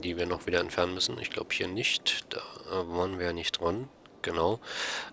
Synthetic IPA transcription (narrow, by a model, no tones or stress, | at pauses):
d̥iːviːɐnɔχv̥iːdɐɛntfɛɐnənmʏsn̩ɪ̰çɡ̥la̰ʊbəhiːɐnɪçtd̥aːʔəːvaːənviːɐjaːnɪçt̚d̥ʁan | ɡ̥ənaʊ